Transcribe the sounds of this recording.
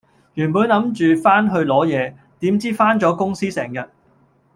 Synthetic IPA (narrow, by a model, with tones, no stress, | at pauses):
jyː˨˩npuː˨˥nlɐ˨˧˥mt͡ʃyː˨faː˥nɦɵ˧ɥlɔː˨˥jɛː˨˧ | t̪iː˨˥mt͡siː˥faː˥nt͡sɔː˨˥kʊ˥ŋsiː˥sɛː˨˩ŋjɐ˨t̚